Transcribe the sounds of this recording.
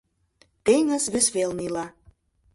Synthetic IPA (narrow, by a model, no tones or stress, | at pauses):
t̪eŋə̆sβesβelnilɑ